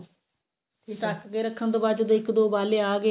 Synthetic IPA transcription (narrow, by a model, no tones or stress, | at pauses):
t̪ʰiːʈaːkkeːɾəkʰːənt̪oːbaːt͡ʃːd̪eɪkd̪oːbaːleːaːɡe